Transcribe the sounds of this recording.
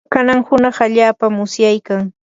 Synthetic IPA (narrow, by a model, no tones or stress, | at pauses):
kanaŋhʊnɑχaʎaːpamʊsjajkaŋ